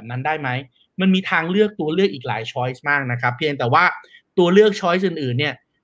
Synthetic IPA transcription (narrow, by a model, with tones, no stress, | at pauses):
p̚na˦˥ndaː˥˩jma˦˥j | ma˧nmiː˧t̪ʰaː˧ŋlɯ˥˩ək̚t̪u˧ɐlɯ˥˩ək̚ʔiː˨˩kla̰ː˩˦jt͡ɕʰɔː˦˥jsmaː˥˩k̚na˦˥kʰɾa˦˥pʰːi˧əŋt̪ɛː˨˩waː˥˩t̪u˧ɐlɯ˥˩ək̚t͡ɕʰɔː˦˥js̬ʔɯː˨˧˩nʔɯː˨˩nːi˥˩ɐ